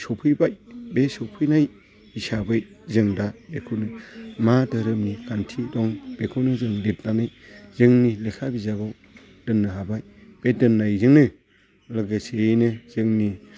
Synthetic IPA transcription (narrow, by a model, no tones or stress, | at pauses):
sɔpʰɯjbajbesɔwpʰɯjnaj | isabɯj | zɯŋdabekʰɯnɯmadɯɾɯmnikantʰidɔŋb̥ekʰonɯzɯŋlet̚nanɯjz̥ɯŋnilekʰabizaɡɔ | d̥ɯnːɯɦabaj | b̥edɯnːajzɯŋnɯ | lɯɡɯsenɯz̥ɯŋni